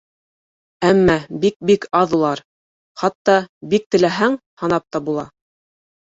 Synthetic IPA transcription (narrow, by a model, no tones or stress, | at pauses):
æmːæbik̚bikɑðulˠɑɾ | χɑt̪ːɑbik̚t̪ɘ̆læɦæŋ | hɑnɑp̚t̪ɑbulˠɑ